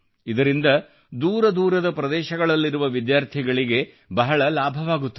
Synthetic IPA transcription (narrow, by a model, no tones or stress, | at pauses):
id̪ɐɾind̪ɐ | d̪uːɾɐd̪uːɾɐd̪ɐpɾɐd̪ɛːʃɐɡɐɭɐlːiɾuʋɐʋid̪jaːɾt̪ʰiɡɐɭiɡe̞ | bɐɦɐɭɐlaːbʱɐʋaːɡut̪ːu